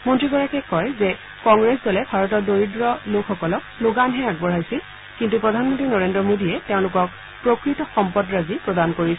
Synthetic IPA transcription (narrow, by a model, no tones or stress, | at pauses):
mɔntɹiɡɔɹakɛkɔjzɛ | kɔŋɡɹɛsdɔlɛbʱaɹɔt̬ɔɹdoɹidɹɔlokxɔkɔlɔk̚loɡanɦɛaɡbɔɹajsil | kintupɹɔdʱanmɔntɹinɔɹendɹɔmodiɛteʊ̃lʊkɔk̚ | pɹokɹitɔxɔmpɔdɹazipɹɔdankoɹis